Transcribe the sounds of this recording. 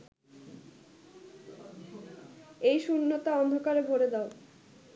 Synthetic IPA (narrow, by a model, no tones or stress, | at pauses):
ejʃunːot̪aɔnd̪ʱokaɾebʱoɾed̪ɛo